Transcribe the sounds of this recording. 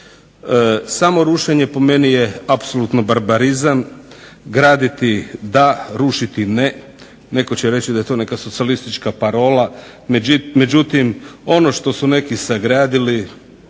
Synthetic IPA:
samo̞ɾuʃeɲe̞po̞me̞nije̞apsolˠut̪no̞baɾbaɾizam | ɡɾaːd̪it̪id̪aɾuʃit̪ine | ne̞kot͡ɕeɾe̞t͡ɕid̪aje̞t̪o̞ne̞kasosialist̪it͡ʃkapaɾo̞ːla | me̞d͡ʑut̪imo̞no̞ʃt̪o̞sune̞kisaɡɾaːd̪ili

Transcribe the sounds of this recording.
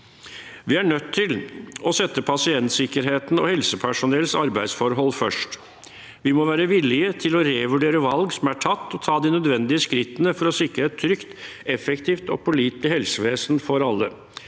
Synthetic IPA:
ʋɪæɳœt̪ʰːɪlɔsɛt̪ːəpʰɑsɪɛnt̪sɪkəɾɦeːt̪n̩ɔ̰hɛlsəpʰæʂʊnɛlsɑɾbæɪd̪sfɔɾɦɔlːfœʂʈ | ʋɪmɔʋæːɾəʋɪlɪət̪ʰɪlɔɾeʋʉɖeːɾəʋɑlɡsɔmæʈʰɑt̪ːɔt̪ʰɑːd̪ɪnœd̪ʋɛnd̪ɪəskɾɪt̪ːənəfɔɾɔsɪkɾəɛt̪ʰːɾʏkt̪ɛfɛkt̪ʰiːft̪ɔ̰pʰɔliːt̪ɪhɛlsəʋeːsnfɔɾɑlːə

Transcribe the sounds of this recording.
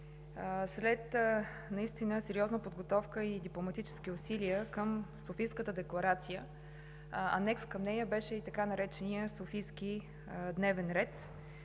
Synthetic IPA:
slɛt̪ | nɐist̪inəsɛɾiɔznəpod̪ɡot̪ɔfkəid̪iplˠomɐt̪it͡ʃɛ̥skʲiʊsiliəkəmsofijskət̪əd̪ɛklˠɐɾat̪sijə | ɐ̰nɛkskəmnɛjəbɛʃɛit̪ɐkanɐɾɛt͡ʃɛniəsofijsk̟ʲi | d̪nɛvɛnɾɛt̪

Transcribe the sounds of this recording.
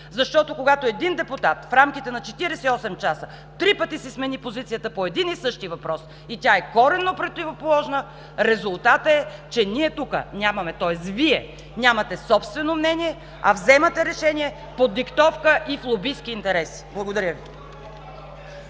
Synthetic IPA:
zɐʃt̪ɔt̪okoɡat̪oɛd̪ind̪ɛpʊt̪at̪fɾamkʲit̪ɛnɐt͡ʃɛt̪iɾɛsɛiɔsɛmt͡ʃasə | t̪ɾipət̪isismɛnipozit̪sijət̪əpoɛd̪inisɤʃt̪ivɐpɾɔs | it̪ʲaɛkɔɾɛnːopɾot̪ivopolˠɔʒnə | ɾɛzʊlˠt̪at̪əɛt͡ʃɛnʲiɛt̪ukə̰nʲamɐmɛt̪ɔɛst̪viɛ | nʲamɐt̪ɛsɔpst̪vɛnomnɛnʲiɛ | ɐvzɛmɐt̪ɛɾɛʃɛnʲiɛ | pod̪ikt̪ɔfkəʔiflˠobiskʲiːnt̪ɛɾɛsi̥blˠɐɡod̪ɐɾʲjəvi

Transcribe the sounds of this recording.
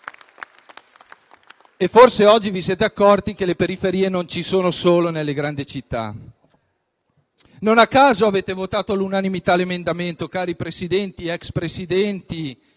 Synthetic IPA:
efːorseɔd͡ʒːivisjeːt̪eakːɔrt̪ik̟elepeɾifeɾiːenont͡ʃisoːnosoːlonelːeɡɾand̪it͡ʃit̪ːa̰ | nonakːaːzoaveːt̪evot̪aːt̪olunanimit̪alemend̪ament̪okaːɾipɾesid̪ɛnt̪iɛkspɾesid̪ɛnt̪i

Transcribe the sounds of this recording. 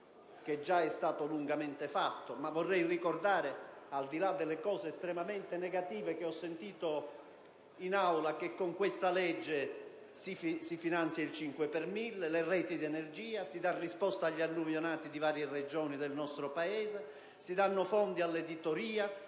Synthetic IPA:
ked͡ʒːaɛst̪aːt̪oluŋɡamɛnt̪efat̪ːomavːɔrːɛjrikord̪aːɾɪald̪ilad̪ːelːekɔːzeːst̪ɾɛmamɛnt̪enɛɡat̪iːvek̟eɔsːent̪iːt̪o | inawlakekːoŋkwest̪alɛd͡ʒːe | sifsifinant̪sjailt͡ʃiŋkwepɛrmilːlerɛːt̪id̪iɛnerd͡ʒiːasid̪arːispɔst̪aaʎːanːuvjonaːt̪id̪ivaːɾjered͡ʒɔːnid̪elnɔst̪ɾopaɛːze | sid̪anːʊfɔnd̪ialːed̪it̪oɾiːa

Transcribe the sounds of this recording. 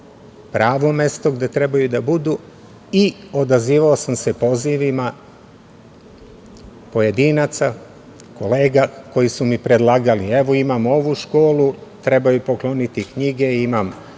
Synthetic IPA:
pɾaːʋo̞me̞st̪o̞ɡd̪e̞t̪ɾe̞bajud̪abud̪u | io̞d̪aziːʋaosamse̞po̞ziʋima | po̞je̞d̪iːnat̪sa | ko̞le̞ːɡako̞jisumipɾe̞d̪lˠaːɡalieʋoimamo̞ʋuʃko̞ːlut̪ɾe̞bajupo̞klˠo̞nit̪ikɲiɡe̞imam

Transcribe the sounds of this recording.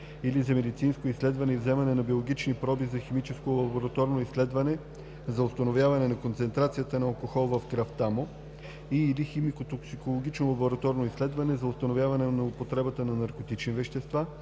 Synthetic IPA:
ilizɐmɛd̪it̪sinskoislɛd̪vɐnɛivzɛmɐnɛnɐbiolˠoɡit͡ʃnipɾɔbizɐximit͡ʃɛskolˠɐboɾɐt̪ɔɾnoislɛd̪vɐnɛ | zɐʊst̪ɐnovʲjavɐnɛnɐkont̪sɛnt̪ɾat̪sijət̪ənɐːlˠkoxɔlˠvɐfkɾaft̪amo | iːliximikot̪oksikolˠoɡʲit͡ʃnolˠɐboɾɐt̪ɔɾnoislɛd̪vɐnɛzɐʊst̪ɐnovʲjavɐnɛnɐopot̪ɾɛbət̪ənɐnɐɾkot̪it͡ʃnivɛʃt̪ɛst̪va

